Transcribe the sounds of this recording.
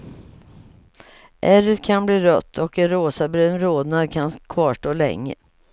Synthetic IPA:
ʔæɾət̪kʰanbliːɾœ̰t̪ʰːɔkɛnɾoːsabɾøːnɾoːd̪nad̪kʰankʰvɑːʂʈoːlɛ̰ŋːə̰

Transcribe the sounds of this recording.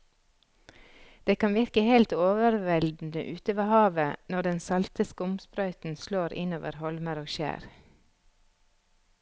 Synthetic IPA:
d̪̥eːkɑnʋɪɾkəhelt̪oːʋəɾʋɛld̪n̩ə̰ʔʉːt̪əʋɑhɑːʋənɔɖɛnsɑlt̪əskʊmspɾœʏt̪n̩sloːɾɪ̰noːʋə̰ɾhɔlməɾoːʃæ̰ːɾ

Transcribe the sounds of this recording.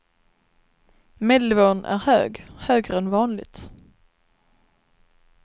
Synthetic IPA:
meːd̪əlvoːnʔæ̰ɾhø̰ːɡhøːɡɾəɛnvɑːnlɪ̰ɡt̪

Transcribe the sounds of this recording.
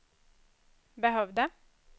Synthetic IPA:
bəɦœʋd̪ə

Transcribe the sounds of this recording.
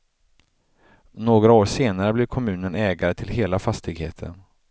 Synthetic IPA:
noːɡɾaoːɾʂeːnaɾəblɪɾkʰɔmʉ̟ːnənɛːɡaɾət̪ʰɪlheːlafast̪ɪɡhḛːt̪ʰə̰n

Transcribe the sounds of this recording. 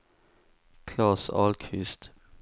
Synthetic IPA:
kʰlɑːsɑ̰ːlkʰʋɪst̪

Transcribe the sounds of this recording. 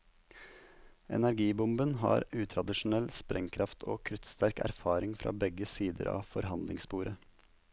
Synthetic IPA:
ʔɛ̰næɾɡiːbʊmbənhɑ̰ːɾʉːt̪ʰɾɑd̪ɪʃʊn̩ɛlspɾʔɛŋkʰɾɑft̪ʰoːkʰɾʉt̪st̪æɾkæ̰ɾfɑːɾɪŋfɾɑ̰ːbɛɡəsiːd̪ə̰ɾɑ̰ːfɔɾhɑnd̪lɪŋspuːɾə

